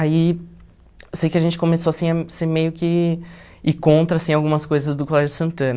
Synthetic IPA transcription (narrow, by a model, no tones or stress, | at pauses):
ai | ewsejkɪɐʒẽnt͡ʃɪ̥kõmesoasĩɐseɾmejʊkɪ | ɪkõnt̪ɾɐsĩawɡũmɐskojzɐzd̪ʊkolɛʒʊsɐ̃nt̪ɐ̃nɐ